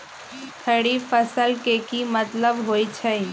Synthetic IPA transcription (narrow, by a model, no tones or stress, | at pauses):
t̪ʰəɽifəsəlkekimɐt̪ləbɦoːit͡ʃʰɛi